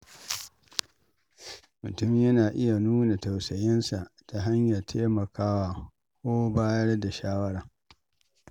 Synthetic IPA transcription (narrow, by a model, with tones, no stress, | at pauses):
mʊ˨tʊ˦m˨jɐ˦naː˨ʔɪ˦ja˨nuː˦na˨ta˨wsɐ˨jɪ˦nsa˨ʔta˨ɦa˦ɲja˨rtʰeː˦mɐ˨kʰaː˦waː˨ | kʷoː˦baː˦jɐ˦rda˨ʃaː˦wɐ˦ɽaː˨